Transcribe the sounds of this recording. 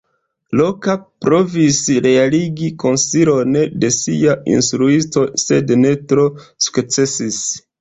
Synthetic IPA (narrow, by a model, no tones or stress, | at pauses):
lo̞kapɾo̞visɾe̞aliɡiko̞nsilo̞nde̞siaḭnstɾuisto̞se̞dne̞tɾo̞su̥kt͡se̞sis